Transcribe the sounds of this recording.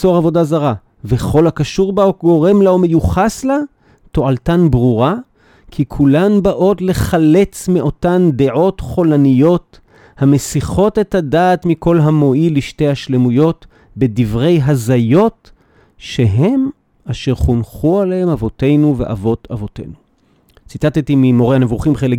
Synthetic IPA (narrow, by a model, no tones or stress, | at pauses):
so̞ʁavo̞dazaʁa | ve̞χo̞lhakaʃuʁbaoɡo̞ʁe̞mlaome̞juχasla | to̞ʔaltanbʁuʁa | kʰikʰulanbaʔo̞tle̞χale̞t͡smeʔo̞tand̪eʕo̞tχo̞lanijo̞t | hame̞siχo̞te̞thadaːtmiko̞lɦamo̞iliʃtejhaʃle̞mujo̞t | be̞divʁe̞jɦazajo̞t | ʃe̞ɦe̞m | aʃeʁχunχualehemavo̞te̞jnuve̞̰ʔa̰vo̞tavo̞te̞̰nu | t͡sit̪at̪etimimo̞ʁehane̞vuχimχele